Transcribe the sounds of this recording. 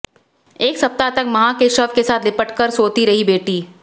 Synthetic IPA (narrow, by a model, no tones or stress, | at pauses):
eːksɐp̚t̪at̪ɐkmɐɦãkeʃəfkesaːt̪ʰlɪpəʈkəɾsoːt̪iɾɐɦibeːʈiː